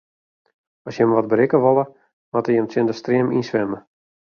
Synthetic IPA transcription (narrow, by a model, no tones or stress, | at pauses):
ɔsjəmʋɔt̚bəɾɪkəʋolˠə | matəjəmtɪndəstriəminsʋɛmə